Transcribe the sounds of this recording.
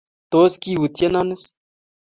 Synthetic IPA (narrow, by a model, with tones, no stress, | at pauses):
t̪o˨˦ski˦wu˨t̪je˦na˦nɪ˦s